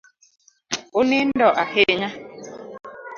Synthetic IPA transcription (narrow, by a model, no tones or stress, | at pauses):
onen̩dɔʔaheɲa